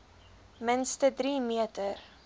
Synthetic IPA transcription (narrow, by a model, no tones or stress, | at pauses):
mənstədɾimiətər